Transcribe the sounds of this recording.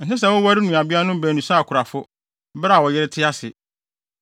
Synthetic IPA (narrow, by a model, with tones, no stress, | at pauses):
n̩˨tɪ˦s̬ɛ˨wʊ˦wa˦ɾɪ˦nũ˨a˨bi˦a˦nʊ̃˦m˦bæ˨nũ˨saː˦˨kʰʊ˨ɾa˨fʊ˦ | ba˦˨wɔ˨jɪ˦ɾɪ˦tʰɪ˦a˦sɪ˨